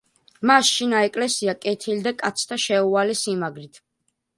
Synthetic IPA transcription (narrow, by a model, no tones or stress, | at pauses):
masʃinaɛkʼlɛsiakʼɛt̪ʰild̪akʼat̪sʰt̪ʰaʃɛualɛsimaɡɾit̪ʰ